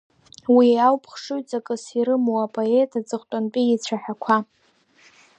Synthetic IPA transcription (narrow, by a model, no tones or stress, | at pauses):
wiawpʰχʂujt͡sʼakʼɨsiɾɨmowapʼoetʰad͡zʼɨχtʼanpʼiit͡ɕʷʰaħakʷʰa